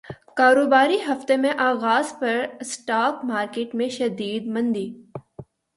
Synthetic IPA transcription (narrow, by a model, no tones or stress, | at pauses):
kaːɾoːbaːɾiɦɐft̪emẽʔaːɣaːzpɐɾsʈaːkmaːɾkeːʈmẽʃɐd̪iːd̪mɐ̃nd̪iː